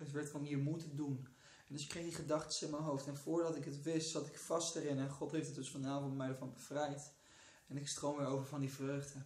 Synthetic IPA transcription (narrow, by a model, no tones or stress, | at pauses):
ətʋɛɹtkɔmɦiːɹmutədun | ɛndɵsɪkːrejχdiχədɑχtə̥sɪnmɛnɦowftɛnvʊːɹdɑtɪkɦətʋɪstsɑtɪkfɑstəɾɪnɛnχɔtɦejftətdɵsfɑnaːvɔ̃ntmɛjdɛɹvɑnbəv̥rɛjt | ɛnɪkstrowmɪɹowvəɹvɑndivrøɥχdə